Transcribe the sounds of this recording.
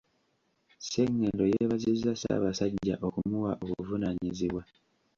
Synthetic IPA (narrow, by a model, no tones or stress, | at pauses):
seŋːe̞ːndo̞jeβazizːasa̰ːβasaɟːaʔo̞kumuwaʔokuvunaɲiziβwa